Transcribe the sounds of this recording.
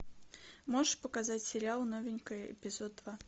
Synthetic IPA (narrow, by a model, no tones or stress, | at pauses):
moʐəʂpəkazatʲsʲɪɾʲɪalˠnovʲɪnʲkəjəɪ̰pʲɪzod̪̚d̪va